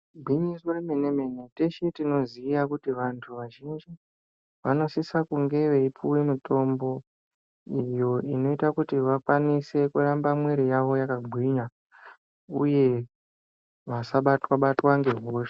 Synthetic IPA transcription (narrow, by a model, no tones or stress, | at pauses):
bʱwiɲisoremeneme̞ne̞teʃetino̞zijakutiʋantʰuʋaʒind͡ʒi | ʋano̞sisakuŋɡe̞ʋeipuwe̞mito̞mbo̞ | ijo̞ino̞itakutiʋakwanise̞kuɾambamweɾijaʋo̞jakaɡʱwiɲa | uje̞ | ʋasaɓatwaɓatwaŋɡe̞ɦoʃḁ